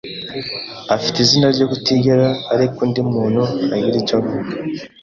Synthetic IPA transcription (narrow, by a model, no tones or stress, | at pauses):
afi̥tiziːnaɾɟo̞ːɡutiɡeɾaːɾikuːndimuːnhuaɡiɾit͡ʃako